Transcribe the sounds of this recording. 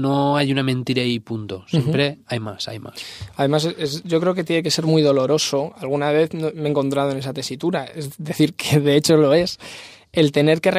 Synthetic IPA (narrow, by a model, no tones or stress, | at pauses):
noajunamẽnt̪iɾaipunt̪osjempɾeajma̰sa̰jma̰saðe̞maseesɟ͡ʝo̞kɾe̞oke̞t̪jeneke̞se̞ɾmuiðo̞lo̞ɾo̞so̞alɣ̞unaβ̞e̞θnomeːŋko̞nt̪ɾað̞o̞ne̞sat̪e̞sit̪uɾaezðe̞θiɾkʰeðe̞et͡ʃo̞lo̞e̞s | e̞lt̪e̞ne̞ɾke̞r